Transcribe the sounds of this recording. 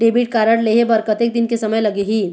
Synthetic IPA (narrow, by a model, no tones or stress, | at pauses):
ɖebiʈkaɾəɽleɦebəɾkət̪ek̚d̪inkesəməjləɡeɦi